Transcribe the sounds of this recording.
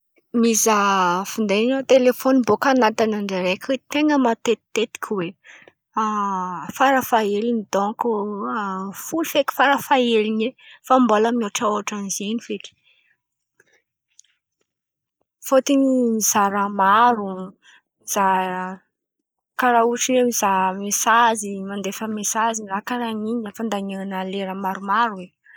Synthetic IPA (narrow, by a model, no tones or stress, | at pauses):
mizafind̪enot̪elefonibokanat̪anaɳɖ͡ʐaɾekwet̪eŋɡəmat̪et̪ːet̪i̥kʲʰwe | afaɾəfaelinid̪õŋku | fulufeki̥faɾəfaelinefambalaminoʈ͡ʂaoaʈ͡ʂanizenifeʈ͡ʂi̥ | fot̪iɲimizaɾəmaɾu | iz̥a | kaɾauʈ͡ʂinemiz̥amesazimand̪efəmesazirakaɾaɲiɲafand̪aɲaŋanaleɾəmaɾumaɾuwe